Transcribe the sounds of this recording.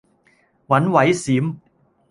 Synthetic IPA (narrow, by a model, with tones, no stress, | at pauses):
wa˨˦˥nwa˨˥jsi˨˩˦m